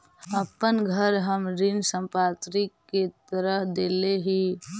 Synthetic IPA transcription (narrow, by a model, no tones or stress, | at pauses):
əpənɡʱəɾɦəmɾinsə̃mpat̪ɾikːet̪əɾəɦd̪eleɦi